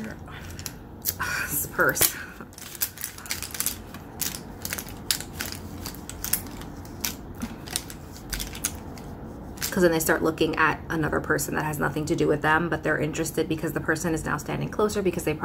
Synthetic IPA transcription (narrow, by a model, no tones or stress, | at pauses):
spʰə˞s | kʰʌzwɨ̃nðeɪstɑɹʔˡlʊkɪ̃ŋɨ̰ɾʔənʌðə̰˞pʰɜ˞sn̩ðɨ̰t̚ɦɨznʌ̰θɪ̃ŋtʰɨdɨwɨðə̃mbʌt̪̚ðə˞ʔɪ̃nt͡ʃɹ̥ɨstɨd̚bɨkʰʌzðəpʰɜ˞sɨ̃nɨzna̰ʊstæ̰̃ndɪ̃ŋkʰl̥oʊsə˞bɨkʰʌzðeɪpʰ